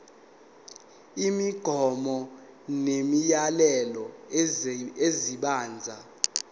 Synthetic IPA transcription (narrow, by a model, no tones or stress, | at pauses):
imiɡ̥ʱɔmɔ | nemijalɛlɔ | eziɓaːnd͡zʱa